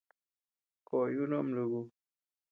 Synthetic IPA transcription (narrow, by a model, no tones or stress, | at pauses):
kojunomluɡu